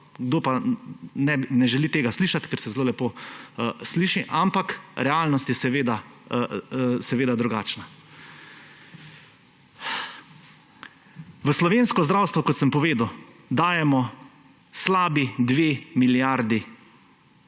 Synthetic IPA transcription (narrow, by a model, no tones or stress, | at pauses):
ɡd̪oːpanɛbinɛʒɛlit̪eːɡasliːʃat̪kɛɾsɛzloːlɛpoː | sliːʃiʔampakɾɛalnɔst̪jɛsɛʋeːd̪a | sɛʋeːd̪ad̪ɾuɡaːt͡ʃna | ʋəslɔʋeːnskɔzd̪ɾaːwst̪ʋɔkɔt̪səmpɔʋeːd̪aw | d̪aːjɛmɔ | slaːbid̪ʋemiljaɾd̪i